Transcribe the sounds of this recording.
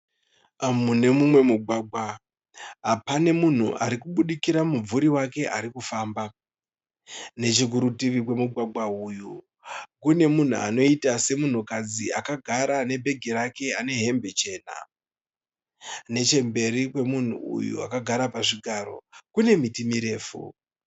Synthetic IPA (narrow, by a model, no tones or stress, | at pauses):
mune̞mumwe̞muɡʱwaɡʱwa | ɦapane̞mun̤ṵʔa̰ɾikuɓuɗikiɾamub͡vuɾiwake̞ʔa̰ɾikufaːmba | ne̞t͡ʃik̬uɾutiʋikwe̞muɡʱwaɡʱauju | kune̞mun̤ṵa̰no̞itase̞mun̤ukad͡ziakaɡʱaɾane̞bʱe̞ɡʱiɾake̞ane̞ɦe̞mbe̞t͡ʃe̞ːna̰ | ne̞t͡ʃe̞mbe̞ɾikwe̞mun̤ṵṵjṵa̰kaɡʱaɾapaʐiɡʱaɾo̞̰kune̞mitimiɾe̞ːfṵ